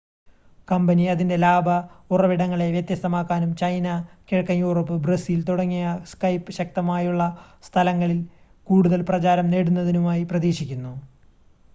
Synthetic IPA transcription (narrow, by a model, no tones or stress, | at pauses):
kɐmbɐniɐðinde̞laːbʱɐurɐʋiɽɐŋːɐɭe̞ʋjɐt̪jɐst̪ɐmaːkːaːnumt͡ɕɐjnɐkeɻɐkːɐmjuːroːpːɨbrɐsiːlt̪uɽɐŋːijɐskɐjpːɨɕɐk̚t̪ɐmaːjuɭːɐst̪ʰɐlɐŋːɐɭil | kuːɽuðɐlprɐt͡ɕaːɾɐmneɽunːɐðinumaːjiprɐðiːɕikʲːunːu